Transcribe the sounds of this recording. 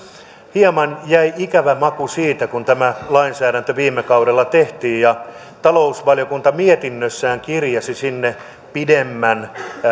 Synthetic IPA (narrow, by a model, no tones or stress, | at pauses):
hiemɑnjæiikæʋæmɑkusiːt̪ækunt̪æmælɑinsæːɾænt̪øʋiːmːˑekɑuɾelːɑt̪eht̪iːjjɑ | t̪ɑlousʋɑljokunt̪ɑmiet̪inːøsːæːŋkirjɑsisinːe | pidemːæn